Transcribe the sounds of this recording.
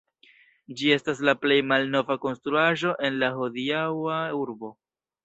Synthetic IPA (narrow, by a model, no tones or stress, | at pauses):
d͡ʒie̞stas̬laple̞jmalno̞vako̞nstɾuaʒo̞ʔe̞nlaɦo̞diawauɾbo̞